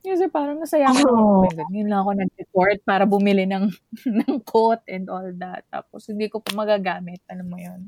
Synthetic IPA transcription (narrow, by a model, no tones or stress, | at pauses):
kɛsɛpaːɾɐŋnɐsɐjakoɐɡɐjʊnlɐŋɐko̞nɐɡ̚d̪ɛkoɹt̪̚paːɾɐbʊmɪlɪnɐŋnɐŋkʰot̪̚ʔɛnd̪ʔoːld̪ɐt̪ːa̰ːposhɪnd̪iːkopoʔmɐɡaɡaːmɪt̪̚ʔɐlamːojon